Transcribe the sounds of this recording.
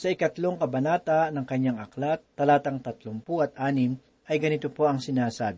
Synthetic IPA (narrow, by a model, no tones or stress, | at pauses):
sɐɪkɐt̪loŋkɐbɐnaːt̪ɐnɐŋkɐɲːaŋʔɐklat̪ːɐlaːt̪ɐŋt̪ɐt̪lompuʔɐt̪̚ʔaːnɪm | ʔɐjɡɐnɪt̪opo̞ʔɐŋsɪnaːsaːb